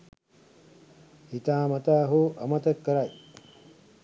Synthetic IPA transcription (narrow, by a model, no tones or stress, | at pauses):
hit̪aːmɐt̪aːɦoʔɐmɐt̪əkːəɾaj